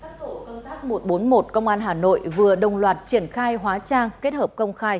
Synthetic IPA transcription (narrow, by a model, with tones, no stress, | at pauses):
taː˦˥o˧˩kə˧ŋ͡mt̪aː˦˥k̚mo˨˩t̚ɓo˨˦nmo˨˩t̚kə˧wŋ͡mʔaː˧nɦaː˨˩no̰˧˨jvɨ˨˩əɗə˨˩wŋ͡mlwaː˨˩t̚t͡ɕi˧˩ənxaː˧jɦwaː˨˦t͡ɕaː˧ŋke˦˥t̚həː˨˩p̚kə˧wŋ͡mxaː˧j